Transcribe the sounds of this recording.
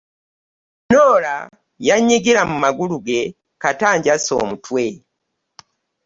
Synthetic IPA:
noːla̰ | jaɲːiɡiɾamumaɡuluɡe̞ | kataːɲɟaso̰ːmutwe̞

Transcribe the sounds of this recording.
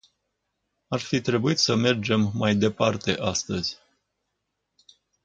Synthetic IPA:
arfit̪ɾe̞buit̪səme̞rd͡ʒe̞mːajd̪e̞part̪e̞ʔast̪əz̥ʲ

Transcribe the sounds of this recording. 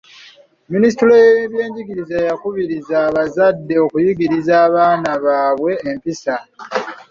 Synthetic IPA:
minis̬itulojβje̞ːɲɟiɡiɾizajakuβiɾizaːβazadːe̞o̞kujiɡiɾizaːβaːnaβaːβwe̞ːmpisa

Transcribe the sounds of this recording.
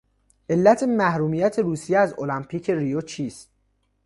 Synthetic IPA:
ʔe̞lːæt̪ʰemæhɾuːmiːjæt̪ʰe̞ɾuːsijeæzolæmpʰiːcʰe̞rijot͡ʃʰiːst̪̚

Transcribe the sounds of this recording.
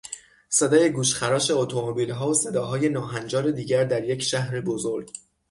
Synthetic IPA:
se̞d̪ɒːje̞ɡuːʃxæɾɒːʃe̞ot̪ʰomobiːlɦɒːose̞d̪ɒːɦɒːje̞nɒːɦænd͡ʒɒːɾe̞d̪iːɟæɾd̪æɾje̞cʰʃæhɾebozoɾɡ

